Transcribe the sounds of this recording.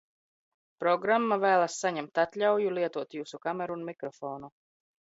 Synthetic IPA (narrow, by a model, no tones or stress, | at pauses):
pɾɔɡɾamːavæːlˠasːaɲɛmt̪at̪lʲawjulˠiɛt̪uɔt̪juːsukamɛɾuunmʲikɾɔfɔːnu